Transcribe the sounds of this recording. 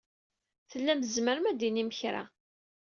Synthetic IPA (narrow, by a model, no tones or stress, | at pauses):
θəlːæməzməɾəmæd̪iniməçɾa̰